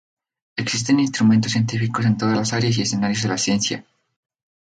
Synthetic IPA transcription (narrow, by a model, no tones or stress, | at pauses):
eksis̬t̪e̞ninst̪ɾumẽnt̪osje̞nt̪ifikos̬e̞nt̪o̞ðalasaɾeas̬ie̞se̞naɾjozð̞e̞lasje̞nsja̰